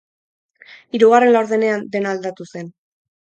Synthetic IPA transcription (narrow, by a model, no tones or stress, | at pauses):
iɾuɣare̞nlawɾðene̞and̪e̞nald̪at̪use̞n